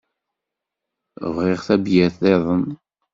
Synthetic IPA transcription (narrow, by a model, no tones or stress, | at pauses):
vʁeʁθæbjæθðeðˤən